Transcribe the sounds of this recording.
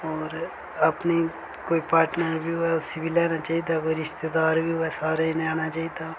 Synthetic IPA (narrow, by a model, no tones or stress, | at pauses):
ɔːɾ | ɐpni | koːipaːɾʈnəɾbʱiɦʊɛʊsibʱilɛːnat͡ʃaːɦid̪akoːiɾɪʃt̪ed̪aːɾbʱiɦʊɛsaːɾainaːnat͡ʃaːɦid̪a